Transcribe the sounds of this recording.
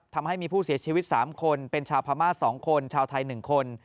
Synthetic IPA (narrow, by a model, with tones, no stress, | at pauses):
t̪ʰa˧mɦa˥˩jmiː˧pʰuː˥˩si˩˦ɐt͡ɕʰiː˧wi˦˥t̪̚sa̰ː˩˦mkʰo˧npe˧nt͡ɕʰaː˧wpʰaː˧maː˥˩t̪̚sɔː˩˦ŋkʰo˧nt͡ɕʰaː˧wt̪ʰa˧jnɯ˨˩ŋkʰo˧n